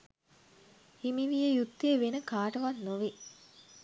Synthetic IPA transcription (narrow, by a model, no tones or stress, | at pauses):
imiʋijəjut̪ːeːʋenəkaːʈəʋanːoʋi